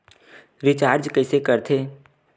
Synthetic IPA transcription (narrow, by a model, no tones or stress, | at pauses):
ɾɪt͡ʃaːɾd͡ʒkɛɪsekəɾt̪ʰeː